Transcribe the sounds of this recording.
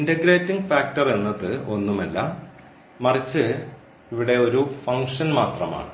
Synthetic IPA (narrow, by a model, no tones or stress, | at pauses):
indɐɡɾeːtːiŋɡfaːk̚ʈɐrenːɐðɨo̞nːumɐlːɐ | mɐrit͡ɕːɨ | iʋiɽe̞o̞ɾufɐŋkʂɐnmaːt̪rɐma̰ːɳɨ